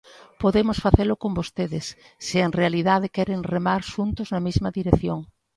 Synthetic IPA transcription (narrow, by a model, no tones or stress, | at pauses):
poðemosfaθelʊkombost̪eðɪsː | ɪeŋrealiðað̞ekɛɾeŋremaɾʃunt̪ʊznɐmizmɐðiɾeθjoŋ